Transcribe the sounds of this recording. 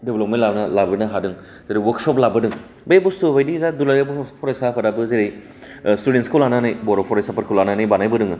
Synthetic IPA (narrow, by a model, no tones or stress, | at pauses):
deblɔp̚mentlanɐlabɯnɐɦadɯŋ | z̥eɾejwɔksɔplabɯdɯŋ | bejbusubajdizadulaɾebupʰɔɾajsapʰadabɯzeɾej | studentskʰulananajbɔɾɔpʰɔɾajsapʰɐɾkʰulananajbanajbɯdɯŋɯ